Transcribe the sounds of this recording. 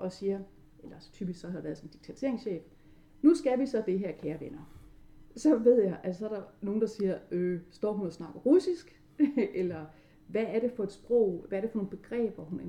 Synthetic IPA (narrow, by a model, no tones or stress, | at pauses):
ʔɒ̽siːɐ | elɐst͡sʰyːb̥isɡ̥sɒ̽hædeʋæːɐðˠsɒ̽n̩d̥iɡ̥̚t͡sʰæt͡sʰe̝ɐ̰eŋsɕḛːb̥ | nusɡ̥æʋisɒ̽d̥e̝ɦæɐ̰kʰæːɐʋenɐ | sɒ̽ʋe̝ð̞̰ˠjɑ̈ɪʔæssɒ̽æɐɾ̥ɑ̈no̝ːn̩d̥ɑ̈siːɐøsd̥ɒ̰ːɦunɒsnɑ̈ɡ̥ɐʁusisɡ̥ | elɐ | ʋæːɐɾe̝fɒ̽e̝d̥sb̥ʁɔ̽ʊ̰ʋææɐɾ̥e̝fɒno̝ːn̩b̥e̝ɡ̥ʁɛ̰ːb̥ʋɒɦunæ